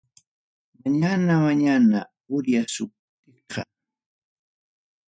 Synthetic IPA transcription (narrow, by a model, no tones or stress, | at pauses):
maɲanamaɲana | ʊɾjasʊp̚t̪ɪqɑ̰